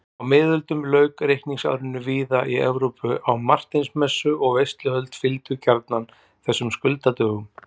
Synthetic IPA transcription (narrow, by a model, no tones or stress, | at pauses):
awmɪːðʏlt̪ʏmlœɥkɾejhkniŋsa̰ːwɾɪnːʏviːðaiɛ̰vɾowpʏʔawmar̥t̪ɪnsmɛsːʏʔɔɣvejst̪lʏhœlt̪fɪlt̪ʏcaɾt̪nan | θɛsːʏmskʏlt̪at̪œːɣʏm